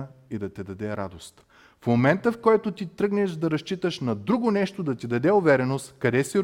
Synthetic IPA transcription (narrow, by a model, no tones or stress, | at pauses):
id̪ɐt̪ɛd̪ɐd̪ɛɾa̰d̪ost̪ | fmomɛnt̪əfkɔjt̪ot̪it̪ɾɤɡnɛʃd̪ɐɾɐʃt͡ʃit̪əʃnɐd̪ɾuɡonɛʃt̪od̪ɐt̪id̪ɐd̪ɛʊvɛɾɛnost̪kɐd̪ɛsiɾ